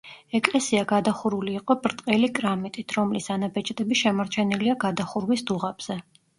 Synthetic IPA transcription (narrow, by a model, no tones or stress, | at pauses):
ɛkʼlɛsiaɡad̪aχuɾuliːqʼɔbɾt̪ʼqʼɛlikʼɾamit̪ʼit̪ʰɾɔmlisanabɛt͡ʃʼd̪ʼɛbiʃɛmaɾt͡ʃʰɛniliaɡad̪aχuɾwisd̪uʁabz̥ɛ